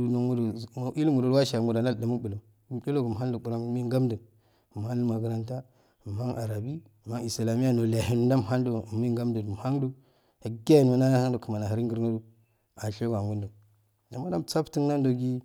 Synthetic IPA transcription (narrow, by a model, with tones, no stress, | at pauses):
u˨no˨mu˦do˨ʔi˦lmu˨ɾo˨ɾwa˦ʃa˨mu˨da˨na˦ldə˨mu˦bu˨lo˨ | u˨mɗo˦lo˦ɡu˨m˨ɦa˦ndu˨bu˨ɾa˦˨mi˦ɡa˦mdə˨ | m˨ha˦n˦u˦ma˨ɡə˨ɾa˦nta˦˨ | ma˦ŋʔa˨ɾa˨bi˦˨ | ma˦ŋi˨sla˨mi˦a˦no˨la˨ɦi˨n˦da˦m˨ɦa˦ndo˨mi˦ŋɡa˦mdə˨du˨m˨ha˦ndu˦ | a˨ɡa˦˨n˦ma˨na˦na˦ha˦ndo˨kə˨ma˨na˨a˨ɾi˦ŋɡə˨ɾno˦du˦ | a˨ɬo˦ɡa˨ŋɡu˦ndo˨ | a˨ma˦da˦mt͡sa˦pti˦ŋna˦ndo˨ɡi˦